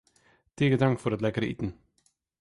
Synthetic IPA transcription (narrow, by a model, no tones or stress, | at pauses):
t̪ʰeːɡət̪aŋkfɔɾat̪lɛkəɾəḭːt̪n̩